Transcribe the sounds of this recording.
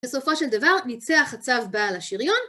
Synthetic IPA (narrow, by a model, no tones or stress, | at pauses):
b̥eso̞fo̞ʃeld̪avaʁnit͡seaχat͡savbaːlaʃiʁjo̞n